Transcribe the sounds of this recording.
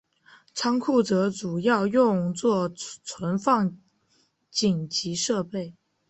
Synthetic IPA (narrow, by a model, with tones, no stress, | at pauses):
t͡sʰɑ˥ŋkʰu˥˩t͡sɤ˧˥ʈ͡ʂu˨˩jɑ˥˧ʊjʊ˥˧ŋt͡swɔ˥˩t͡sʰwə˧˥nfɑ˥˩ŋ | t͡ɕi˨˩nt͡ɕi˧˥ʂɤ˥˧pe˥˩ɪ